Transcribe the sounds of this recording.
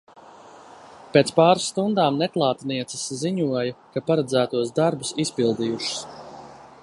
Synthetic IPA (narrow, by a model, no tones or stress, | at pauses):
peːt̪spaːɾsːt̪und̪aːmnɛklˠɑːt̪niɛt̪sesziɲuɔjakapaɾad̪zæːt̪uɔsd̪aɾbusispilˠd̪ijuʃu̥s